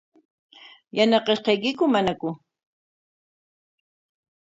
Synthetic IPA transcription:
janɑqɑʃqɑjkɪkʊmanakʊ

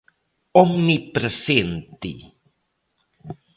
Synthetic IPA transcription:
ɔmnipɾəsent̪ḭ

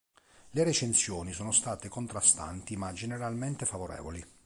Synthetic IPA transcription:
leɾet͡ʃensjɔːnisoːnost̪aːt̪ekont̪ɾast̪a̰nt̪imad͡ʒeneɾalment̪efavoɾɛ̰ːvoli

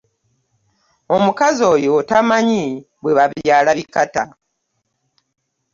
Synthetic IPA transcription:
o̞mukazo̞ːjoːtamaɲi | βwe̞βaβjaːlaβikata

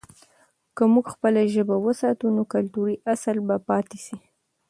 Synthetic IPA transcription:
kəmuɡxpəlaʒəbawəsɑt̪unokalt̪uɾiʔasalbapɑt̪eʃi

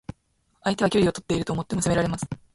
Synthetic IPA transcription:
ait̪e̞βakʲoɾʲio̞t̪o̞t̪ːe̞iɾɯt̪oːmo̞t̪ːo̞mo̞seme̞ɾaɾe̞masɨ̥

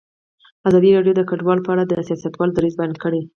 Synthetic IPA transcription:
azɑd̪iɾɑɖjod̪əkaɖwɑlpəaɽad̪əsijɑsat̪wɑld̪aɾizbajɑnkəɽe

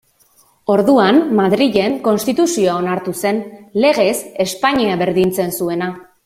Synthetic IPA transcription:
o̞ɾðuammaðɾiʝe̞ŋko̞nst̪it̪usio̞aonaɾt̪use̞nle̞ɣ̞e̞se̞spaɲiaβe̞ɾðint͡se̞nsue̞na

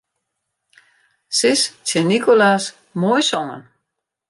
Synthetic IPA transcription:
sɪst͡sʰɪnikʰolas | mɔjsɔŋə̰n

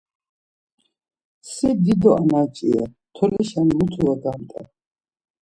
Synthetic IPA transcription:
sid̪id̪ɔʔanat͡ʃʼḭa̰ | t̪ʰɔlɛʃanmut̪ʰuaɡamt̪ʼa̰

